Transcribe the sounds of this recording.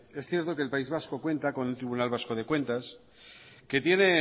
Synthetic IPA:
esθje̞ɾt̪o̞ke̞ːlpaizβ̞asko̞kwe̞nt̪ako̞nelt̪ɾiβunalβ̞asko̞ð̞e̞kwe̞nt̪as | ke̞t̪je̞ne̞

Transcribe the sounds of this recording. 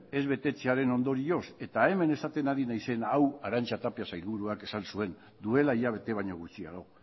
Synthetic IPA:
e̞zβe̞t̪e̞t͡seaɾe̞no̞nd̪o̞ɾio̞se̞t̪ae̞me̞ne̞sat̪e̞naɾinajse̞nawaɾant͡ʃat̪apiasajlβuɾuake̞salsue̞n | d̪ue̞laiʎaβ̞e̞t̪e̞β̞aɲo̞ɣ̞ut͡sia̰ɣo̞

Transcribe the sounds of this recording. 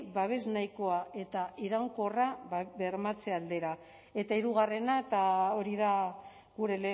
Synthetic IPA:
baβe̞znajko̞ae̞t̪aʔiɾaŋko̞rabe̞ɾmat͡se̞ald̪e̞ɾa | e̞t̪aiɾuɣ̞are̞naet̪ao̞ɾiða | ɣuɾe̞le

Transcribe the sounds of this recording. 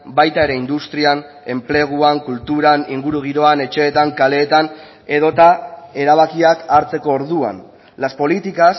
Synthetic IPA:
bajt̪ae̞ɾe̞ind̪ust̪ɾian | e̞mple̞ɣ̞uaŋkult̪uɾaniŋɡuɾuɣ̞iɾo̞ane̞t͡ʃe̞ːt̪aŋkale̞ːt̪an | e̞ðo̞t̪ae̞ɾaβ̞akiakaɾt͡se̞ko̞ːɾðua̰n | laspo̞lit̪ikas

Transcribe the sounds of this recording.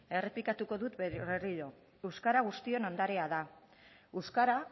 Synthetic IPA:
e̞re̞plikat̪uko̞ðut̪βeriʎo̞ | ewskaɾaɣ̞ust̪io̞nand̪aɾeað̞a | eskaɾa

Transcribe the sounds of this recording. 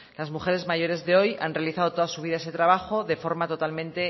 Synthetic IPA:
lazmuxe̞ɾe̞zmaʝoɾe̞zðe̞o̞ja̰nrealiθaðo̞t̪o̞ðasuβ̞iðae̞se̞t̪ɾaβ̞axo̞ðe̞fo̞ɾmat̪o̞t̪almẽnt̪e̞

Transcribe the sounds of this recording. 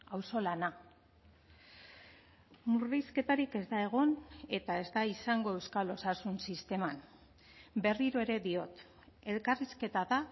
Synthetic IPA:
awso̞lana | muriske̞t̪aɾike̞zd̪ae̞ɣ̞o̞ne̞t̪ae̞zd̪aisaŋɡo̞e̞wskalo̞sasunsist̪e̞man | be̞riɾoe̞ɾe̞ðio̞t̪ | e̞lkariske̞t̪aða

